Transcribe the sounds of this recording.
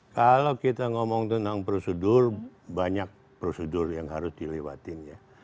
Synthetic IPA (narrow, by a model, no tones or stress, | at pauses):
kalokit̪aŋɔmɔŋt̪ənt̪aŋpɾosədʊrbaɲak̚ | pɾosədʊrjaŋɦaɾʊsdilewat̪ɪnja